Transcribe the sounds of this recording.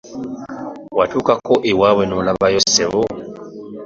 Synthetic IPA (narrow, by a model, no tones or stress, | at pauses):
watuːkakoʔewawenolaβajoseβo